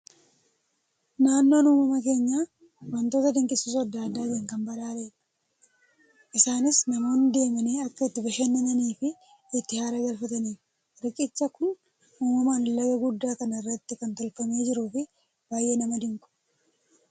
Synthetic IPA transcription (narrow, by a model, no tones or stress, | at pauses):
naːnːo̞ːnuːmɐmɐk̬e̞ːɲːaː | wɐnt̪o̞ːt̪ɐd̪ɪŋkʼɪsuːs̬ɐd̪ːaːd̪ːaːd̪eːŋkɐmbɐᶑaːleᶑɐ̥ | ʔɪsaːnɪsnɐmo̞ːnd̪e̞ːmɐneːɐkːɐɪt̪ːɪbɐʃeːnːɐnɐniːfɪː | t̪ːɪhaːɾɐɡɐlfɐt̪ɐniːf | ɾɪkʼɪt͡ʃːɐkʊn | uːmɐmaːnlɐɡɐɡʊd̪ːaːkɐnɐɪrːɐt̪ːɪkɐnt̪ɔlfɐme̞ːd͡ʒɪɾuːfɪ | baːjʔe̞ːnɐmɐd̪ɪŋkʼʊ̥